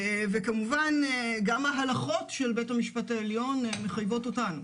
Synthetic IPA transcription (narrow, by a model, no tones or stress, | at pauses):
evekamuvaneɡamaɦalaχo̞tʃelbe̞thamiʃpataeljo̞nmeχajvo̞totanu